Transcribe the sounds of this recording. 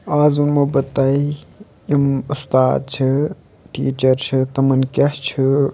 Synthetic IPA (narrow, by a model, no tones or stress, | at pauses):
aːzunmobɐt̪ɐi | imust̪aːd̪̚t͡ʃʰi | ʈḭːt͡ʃɐɾt͡ʃʰɨt̪ɐmɐnkʲɐht͡ʃʰɨ